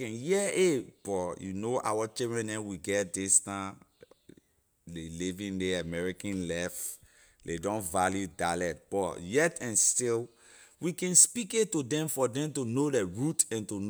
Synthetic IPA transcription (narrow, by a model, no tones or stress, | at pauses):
kɛ̃njɛeb̥ɔjunoa̰wat͡ʃidɹɛ̃nɛ̃nwiɡɛt̚distã | lelivĩndɛamɛɹikãnlɛf | ledɔ̃nvaljudalɛt̚b̥ɔjɛtɛ̃nstil | wikɛ̃nspiketudɛ̃mfɔdɛ̃mtunodɛɹutɛ̃ntun